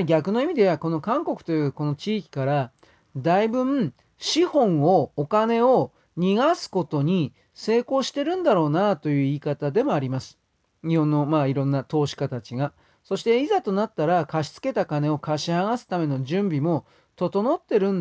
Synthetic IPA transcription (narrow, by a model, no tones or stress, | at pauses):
ɡʲakɯ̟no̞imʲid̪e̞βako̞no̞kãŋko̞kɯ̟̥t̪o̞jɯ̟ːko̞no̞t͡ɕiːkʲi̥kaɾa | d̪aibɯ̟̃m | ɕihõ̞ɰ̃o̞okane̞o̞ | ɲ̟iɡasɨ̥ko̞t̪o̞ɲ̟i | se̞ːko̞ːɕi̥t̪e̞ɾɯ̟̃nd̪aɾo̞ːnat̪o̞jɯ̟ːiːkat̪ad̪e̞mo̞aɾʲimasɨ̥ | ɲ̟ihõ̞nːo̞maːiɾõ̞nːat̪o̞ːɕi̥kat̪at͡ɕiɡa | so̞ɕi̥t̪e̞izat̪o̞nat̪ːaɾakaɕi̥t͡sɨ̥ke̞t̪akane̞o̞kaɕihaɡasɨ̥t̪ame̞no̞ʑɨ̃mbʲimo̞ | t̪o̞t̪o̞no̞t̪ːe̞ɾɯ̟̃n